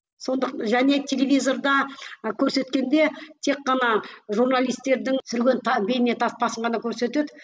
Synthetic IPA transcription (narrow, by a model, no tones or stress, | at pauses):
so̞nd̪əqʒæne̞t̪ʲʰe̞lʲe̞vʲijzo̞rd̪ɑkʲʰɵɾse̞t̪kʲe̞nd̪e̞t̪ʰe̞kqːɑnɑʒurnalˠijst̪ːe̞ɾd̪ɪŋsʏɾɡʲe̞nt̪ɑbe̞j̪ɪne̞t̪ʰɑspʰɑsəɴʁɑnɑkʲʰɵɾse̞t̪e̞d̪ɪ